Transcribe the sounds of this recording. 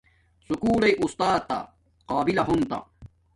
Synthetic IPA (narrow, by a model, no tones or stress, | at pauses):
sukuːɽɐjʔust̪aːt̪ːa̰ | qaːbilɐɦunt̪ɐ̰